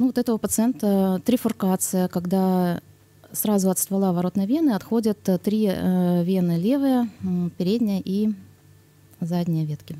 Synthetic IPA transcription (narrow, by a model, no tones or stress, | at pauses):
nuvot̪ɛt̪əvəpət̪sɨɛnt̪ət̪ːɾʲɪfʊrkat̪sɨjəkɐɡd̪a | sɾazʊɐt̪st̪vɐlˠavɐɾo̞t̪nəjəvʲe̞nɨɐt̪xo̞dʲət̪ːɾʲivʲe̞nɨlʲe̞vɨjəpʲɪɾʲedʲnʲɪjəʔi | zadʲnʲɪjəvʲet̪kʲɪ